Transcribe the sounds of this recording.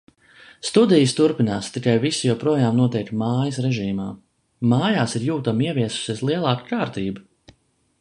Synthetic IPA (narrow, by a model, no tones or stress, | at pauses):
st̪ud̪ijist̪uɾpinaːst̪ikajvisijuɔpɾuɔjaːmnuɔt̪ɛjk̚t̪maːjɐsɾɛʒiːma̰ː | maːjaːsiɾjuːt̪amiɛviɛsu̥siɛslˠiɛlˠaːkkaːɾt̪iːbu